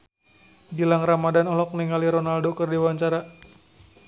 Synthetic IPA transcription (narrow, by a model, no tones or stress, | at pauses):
dilaŋramadanɔlɔk̚niŋaliɾɔnaldokərdiwaɲt͡ʃaɾa